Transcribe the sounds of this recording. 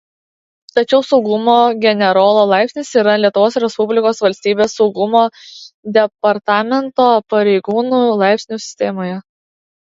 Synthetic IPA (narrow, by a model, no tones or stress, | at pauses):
t̪ɐt͡ʃʲɛʊsɒʊɡʊmoːɡʲɛnʲɛɾoːlˠoːlˠɑˑɪpʲsʲnʲɪsiːɾɐlʲiɛt̪ʊʋoːsɾʲɛspʊbʲlʲɪkoːsʋɐlʲsʲt̪ʲiːbʲeːsːɒʊɡʊmoːd̪ʲɛpɐɾt̪ɑːmʲɛnt̪oːpɐɾʲɛɪɡuːnuːlˠɑˑɪpʲsʲnʲusʲɪ̥sʲt̪ʲɛmoːjɛ